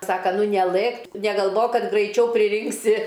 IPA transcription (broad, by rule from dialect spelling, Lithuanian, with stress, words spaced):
ˈsɑːkɐ ˈnʊ nʲɛˈlˠɘk nʲɛɡɐlˠˈʋoːk ˈkɐt ɡrɐɪˈt͡ʃʲɛʊ pʲrʲɪˈrʲɪŋksʲɪ